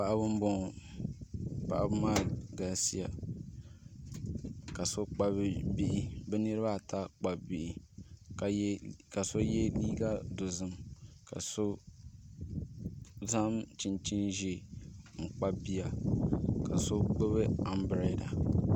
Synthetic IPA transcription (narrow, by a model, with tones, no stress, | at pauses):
pa˦˨ʔa˦bɨ˦m̩˦bɔ˦˨ | pa̰˨ʔa̰˦bɨ˦maː˦ɡa˨si˦a˨ | ka˨so˦k͡pa˦bbi˦ʔi˦bɛ˦nɨ˦ɾɨ˦ba˦˨ta˦k͡pa˨bi˨ʔi˦˨ | ka˨so˦jɛ˦liː˦ɡa˦do˨zɨ˦mka̰˨so˦ | za˦mt͡ʃi˦nt͡ʃi˦nʒe˦˨m̩˨k͡pa˦bi˦ja˨ | ka˨so˦k͡pɨ˦βɨ˦a˨mbɾa˨˦˨da˨